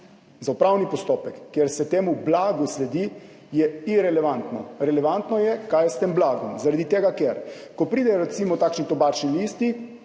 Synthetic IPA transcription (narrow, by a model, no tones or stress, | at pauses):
zaupɾawnipɔst̪oːpɛkːjeɾsɛt̪eːmublaːɡuslɛd̪i | jɛiɾɛlɛʋant̪nɔ̰ɾɛlɛʋant̪nɔjɛkajɛst̪eːmblaːɡɔmzaɾad̪it̪eːɡakeɾkɔpɾiːd̪ɛjoɔɾɛt̪simɔt̪aːkʃnit̪ɔbaːt͡ʃnilist̪i